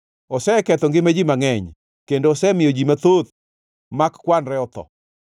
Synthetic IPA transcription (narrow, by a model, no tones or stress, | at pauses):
osɛkɛt̪ɔŋɡɪmad͡ʒimaŋɛɲ | kendoːsɛmɪjod͡ʒimat̪ot̪̚ | makkwanɾɛɔt̪ɔ̰